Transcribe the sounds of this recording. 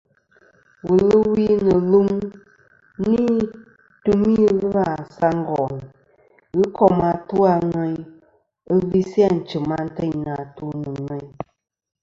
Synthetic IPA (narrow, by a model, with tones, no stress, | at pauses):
wu˨lɨ˦wi˦nɨ˨lɨ˦m | ni˦ | tu˦mi˦ɣɨ˦a˨sa˦ŋ̩˦ɡɔ˨n˨ | ɣɨ˦kɔ˦˨ma˨tu˦a˦ŋwɛ˦ɲ | ɨ˦vi˦si˦a˦n̩˨t͡ʃɨ˨ma˦n̩˦tɛ˦ɲn˨a˨tu˦nɨ˨ŋwɛ˦ɲ